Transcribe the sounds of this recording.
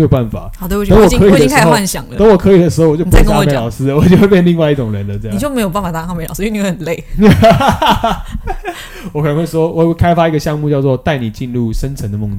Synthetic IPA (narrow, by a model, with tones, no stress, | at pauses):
jo˨˩pa˥˩nfa̰˨˦˨t̪e˥˩˨ə˧˦ŋwɔ˨˩ɤ˧˥i˨˩d̪kxo˥˧a˥˩nɕjɑ̰˨˩ŋlə˧˦ŋwɔ˨˩kʰɤ˧˥i˨˩d̪ə˩ʂɻ̩˧˥xo˥ʊwɔ˨˩t͡ɕo˥˩˧m˧˦ɑ˨˩ʊʂɻ̩˥lwɔ˨˩t͡ɕo˥˧xwe˥˧pjɛ˥˧nli˥˧ŋwa˥˧ɪi˥˩ʈ͡ʂʊ˨˩ŋɻə˧˦nlə˦ʈ͡ʂə˥˧jt͡ɕjo˥˩me˧˥jo˨˩p̬a˥˩nfa˨˩t̪a˥a˥˧me˧˥ɪlɑ̰˨ʊʂ̩˥˧˩xə˨˩le˥˩ɪ | wwɔ˧˥k̪ʰə˦nxwe˥˩ʂwɔ˥wwe˥˩kʰa˥ɪfa˦˥i˧˥ɡə˧ɕjɑ˥˧ŋmu˥˧t͡ɕjɑ˥˧ʊt͡s̬wɔ˥˧t̪a˥˩ɪni˨˩t͡ɕi˥˧nɻu˥˩ʂə˦nt͡sʰə˧˦ŋd̪ə˦mʊ˥˧ŋ